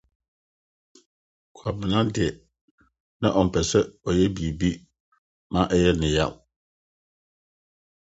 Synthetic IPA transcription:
kʰa˨bɪ˨nã˦dɪ˨ɛ˨ | nã̰˦ʔɔ˨m̩˨pʰɛ˨sɛ˦ɔ˨jɛ˦bi˨e˨bi˦ | mã˦ʔɛ˦jɛ˦nɪ̃˨ja̰˦˨l

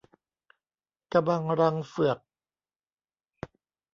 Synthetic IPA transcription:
ka˧ba˧ŋɾa˧ŋfɯ˨˩ək̚

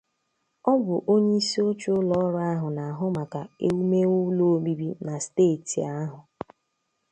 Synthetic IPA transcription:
ɔ˦bʊ˨ʔo˦ɲe˦i˦si˦o˦t͡ʃu˦ʊ˦lɔ˦ɾʊ˦a˦ɦʊ˨na˨a˨ɦʊ˦ma˨ka˨ḛ˦wu˦me˦ʊ˦lo˦o˦mi˦bi˦na˨steː˦˨ti˨a˦ɦʊ˨

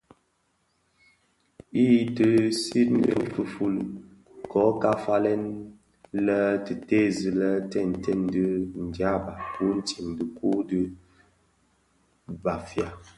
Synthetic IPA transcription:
i˦˨tə˦si˦tn̩˦ə̰˦fu˨fu˦l | kɔ˨˦ka˦fa˦lɛ˦n | lə˦tɨ˨te˦˨zɨ˨lə˦tɛ˦˨n˨tʰɛ˦˨n˦dɨ˦n̩˨dja˦ba˨ku˨˦n̩˦ti˨mdə˨ku˦dɨ˦ | ba˨fja˦˨

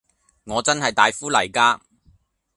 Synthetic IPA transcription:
ŋɔː˨˧t͡sɐ˥nɦɐ˨jt̪aː˨˧jfuː˥lɐ˨˩jkaː˥

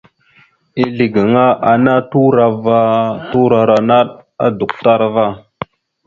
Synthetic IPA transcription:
i˦li˨ɡə˨ŋa˦ʔa˨na˦tu˦ɾa˨va˦tu˦ɾa˨ɾa˨na˦ɗa̰˦du˨k̚ta˦ɾva˦˨

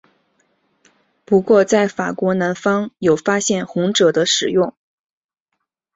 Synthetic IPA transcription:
pu˧˥kwɔ˥˧t͡sa˥˩ɪfa˨˩kwɔ˧˥na˧˥nfɑ˥ŋjo˨˩ʊfa˥ɕjɛ˥˩nxʊ˧˥ŋʈ͡ʂɤ˨˩d̪ə˦ʂɻ̩˨˩jʊ˥˩ŋ

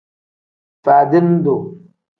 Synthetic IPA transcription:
fa˨di˦n˦do˨

